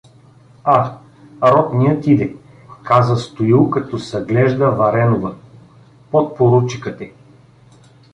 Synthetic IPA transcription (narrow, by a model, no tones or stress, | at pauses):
a | ɾɔt̪nijət̪id̪ɛ | kazəst̪oilˠkɐt̪ɔsɐɡlɛʒd̪əvɐɾɛnovə | pot̪̚poɾut͡ʃikət̪ɛ